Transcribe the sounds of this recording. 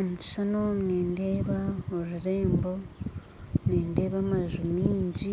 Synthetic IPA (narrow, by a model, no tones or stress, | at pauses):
muci̥ʃanomŋeːnde̞ːβaoɾuɾe̞ːmbo̞ | neːndeːβamaʒumiːɲɟi